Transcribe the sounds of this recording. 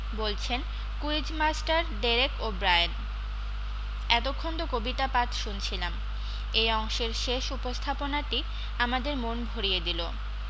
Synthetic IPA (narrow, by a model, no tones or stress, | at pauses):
bolt͡ɕʰen | kuid͡ʑmasʈaɾɖeɾekobɾajan | ɛt̪okʰːond̪okobit̪apat̪ʃunt͡ɕʰilam | ejɔŋʃeɾʃeʃupost̪ʰaponaʈi | amad̪eɾmonbʱoɾijed̪ilo